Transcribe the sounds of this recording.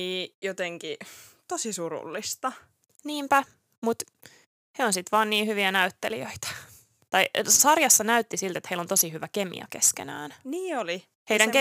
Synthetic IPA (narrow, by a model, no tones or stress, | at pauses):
niːjot̪eŋki | t̪osisurṵlːist̪ɑ | niːmpæ | mut̪ | heonsit̪ʋɑːnniːhyʋiænæyt̪ːeliøit̪ɑ̥ | t̪ɑjsɑrjɑsːɑnæyt̪ːisilt̪et̪heilont̪o̞siɦyʋæke̞mḭɑ̰keskenæ̰ːnniːoli | hejɾæŋk